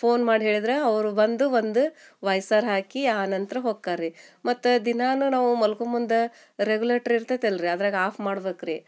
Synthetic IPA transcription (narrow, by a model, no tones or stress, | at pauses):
pʰo̞ːnmaːɖiɦeːɭid̪ɾeɐʋɾubɐnd̪uʋond̪u | ʋɐjsaːɾɦaːkiaːnɐnt̪ɾɐɦoːɡ̚kaːɾimɐt̪ːud̪inaːnunaːʋumɐlkumund̪e | ɾeɡuleɾʈɐɾiɾt̪ːɐt̪elɾiɐd̪ɾaːɡaːpʰmaːɽbeːkɾe